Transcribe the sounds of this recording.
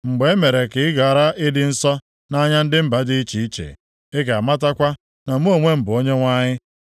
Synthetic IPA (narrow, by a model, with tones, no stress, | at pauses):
ŋ͡m̩˨ɡ͡be˨˦e˦me˨ɾe˨kɪ˨ɪ˦ɡa˨a˨ɾa˦ʔɪ˦dɪ˦n̩˦sɔ˦ | na˦ɲa˦n̩˦dɪ˦m̩˦ba˦dɪ˦i˦t͡ʃi˨i˦t͡ʃḛ˨ | e˦k̬e˨a˨ma˦ta˦kʷa˦ | na˨m̩˦o˦˨ŋʷe˦m̩˨bʊ˨o˦ɲe˦ŋʷa˦ɲɪ˦